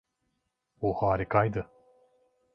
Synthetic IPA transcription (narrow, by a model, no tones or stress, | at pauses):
oːhaːɾikajd̪ɨ